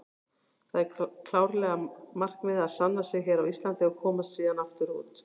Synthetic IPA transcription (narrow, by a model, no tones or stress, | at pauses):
θaðɛɾkʰlaːwɾlɛːɣamar̥knvɪðaðsanːasɛɣɦɛɾawist̪lant̪ɪakʰɔːmassiːðanaft̪ʏɾuːt̪